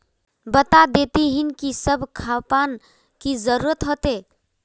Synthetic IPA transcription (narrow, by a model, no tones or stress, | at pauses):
bət̪ad̪et̪iɦinkisəbʱkʰapan | kid͡ʒəɾuɾət̪ɦot̪e